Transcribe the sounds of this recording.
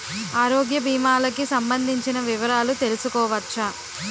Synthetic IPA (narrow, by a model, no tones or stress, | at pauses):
aːɾɔːɡjɐbʱiːmaːlɐkisɐmbɐnd̪ʱiɲt͡ʃinɐʋiʋɐɾaːlut̪e̞lusukɔːʋɐt͡ʃːɐ